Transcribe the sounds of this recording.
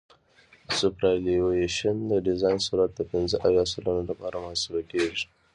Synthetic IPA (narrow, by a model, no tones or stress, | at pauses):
supɾajlieʃand̪əɖɪzɑjnsuɾat̪̚d̪əpɪnzəʔajɑsalanolapɑɾamahasubakeʐi̥